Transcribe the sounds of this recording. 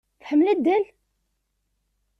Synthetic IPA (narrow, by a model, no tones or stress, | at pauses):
fħəmːlæd̪ːæl